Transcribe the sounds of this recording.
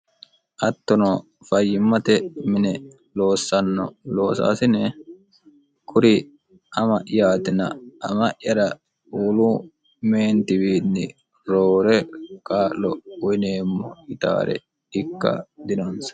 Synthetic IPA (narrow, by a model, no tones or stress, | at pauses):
ʔɐt̪ːɔnɔː | fɐjːɪmːɐt̪ɛmɪnɛ | lo̞ːsːɐnːɔ̰loːsa̰ːsɪnɛ | kʰʊɾɪ | ʔɐmɐʔjaːt̪ɪnɐ̰ɐmɐʔjɐɾɐ | uːlu | me̞ːnt̪ɪwiːnːɪ | ɾoːɾɛkʼaːʔlɔ̰ʊɪneːmːɔɪt̪a̰ːɾɛ̰ | ɪkːɐ̰d̪ɪnɔnsɐ̥